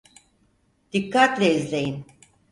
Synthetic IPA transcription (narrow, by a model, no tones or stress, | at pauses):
d̪̥ikʰːat̪lʲeizlʲe̞jin